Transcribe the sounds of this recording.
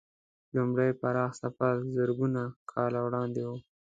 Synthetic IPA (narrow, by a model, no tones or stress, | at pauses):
lumɽajpaɾɑxsapalzaɾɡunakʰɑlawɽɑnd̪ewu